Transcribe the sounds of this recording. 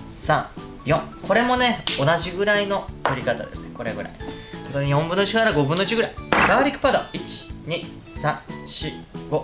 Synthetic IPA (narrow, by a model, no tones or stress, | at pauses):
sãŋ | jõ̞ŋkʰo̞ɾe̞mo̞ne̞onaʑiɡɯ̟ɾaino̞t̪oɾʲikat̪a̰d̪e̞̰sɨne̞̰ko̞ɾe̞̰ɡɯ̟ɾa̰ḭ | ot̪oɲʲijõ̞mbɯ̟noɯt͡ɕikaɾaɡo̞bɯ̟nːoit͡ɕiɡɯ̟ɾaiɡ̥aːɾʲikːɯ̥pad̪o̰it͡ɕi̥ɲ̟i | sãɕiɡ̥o̞